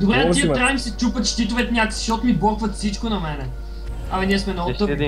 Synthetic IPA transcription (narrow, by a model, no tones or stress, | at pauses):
d̪obɾɛtt̪iəɾamisɛt͡ʃupət̪ʃt̪it̪ʊvɛt̪nʲjakə̥si̥ʃɔt̪mibɔɾkvət̪fsit͡ʃkonɐmɛnɛ | ɐmɛniɛsmɛnoə